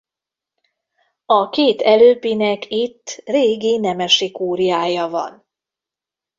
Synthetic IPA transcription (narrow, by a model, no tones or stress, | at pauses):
ɒkeːt̪ɛløːpinɛkʰit̪ːreːɡinɛmɛʃikuːɾijaːjɒvɒ̰n